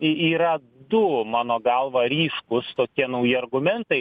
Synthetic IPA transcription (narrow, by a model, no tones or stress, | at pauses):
ɪiːɾɐ | d̪ʊmɑːnoːɡɐlˠʋɐɾʲiːʃkʊst̪oːkʲiɛnɐʊjɪɐrɡʊmʲɛnt̪ɐɪ